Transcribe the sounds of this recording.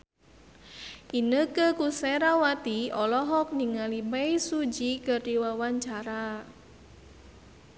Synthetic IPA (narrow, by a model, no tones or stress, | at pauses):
ʔinəkəkusɛɾawat̪iɔlɔɦɔk̚niŋalibɛjsud͡ʒikərdiwawaɲt͡ʃaɾa